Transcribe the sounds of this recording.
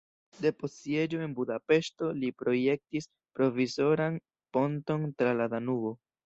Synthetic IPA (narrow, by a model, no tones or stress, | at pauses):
de̞po̞sie̞d͡ʒo̞e̞nbudape̞ʃto̞lipɾo̞je̞k̚tis | pɾo̞viso̞ɾan | po̞nto̞ntɾaladanuo̞